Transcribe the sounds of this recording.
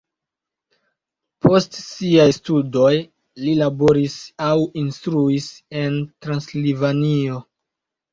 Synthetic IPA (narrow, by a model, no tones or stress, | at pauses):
pʰo̞stsiajstudo̞j | lilabo̞ɾisawinstɾuise̞ntɾanslivanio̞